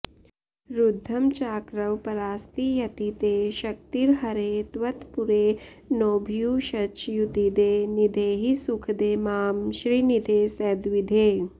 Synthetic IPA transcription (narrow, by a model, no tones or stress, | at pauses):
ɾud̪ʱːɐmt͡ʃaːkɾɐwpɐɾaːst̪ijɐt̪it̪eːʃɐk̚t̪iɾɦɐɾeːt̪ʋɐt̪puɾeː | noːbʱjuːʃɐt͡ʃjut̪id̪eːnid̪ʱeːɦisukʰd̪eːmaːmʃɾiːnid̪ʱeːsɛːd̪ʋid̪ʱeː